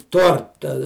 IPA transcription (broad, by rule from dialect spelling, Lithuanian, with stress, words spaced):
ˈtoːrtɐ